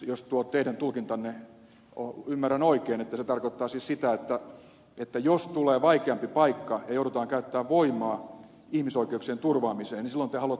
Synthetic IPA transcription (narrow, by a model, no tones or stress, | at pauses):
jost̪uot̪eidænt̪ulkint̪ɑnːe | o̰ymːærænoikeːnet̪ːæset̪ɑrkot̪ːɑːsissit̪æet̪ːæ | et̪ːæjost̪uleːʋɑikeɑmpipɑikːɑjɑjouɾut̪ɑːŋkæyt̪ːæːʋʋoimɑː | ihmisoikeuksient̪urʋɑːmiseːnisilːont̪ehɑluɑt̪ː